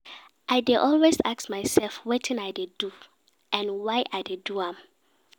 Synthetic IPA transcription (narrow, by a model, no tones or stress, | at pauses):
ʔaɪdeʔɔlwesaksmaɪsɛlfwetʰɪ̃naɪdedu | ʔɛ̃nwaɪʔaɪdeduãm